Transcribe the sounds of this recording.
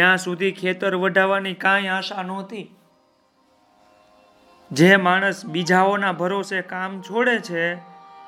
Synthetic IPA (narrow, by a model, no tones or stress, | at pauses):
jãsud̪ʱikʰet̪əɾʋəɖʱaʋanikãjaʃanɔt̪i | d͡ʒemaɽ̃əsbid͡ʒʱaonabʱəɾosekamt͡ʃʰoɽet͡ʃʰe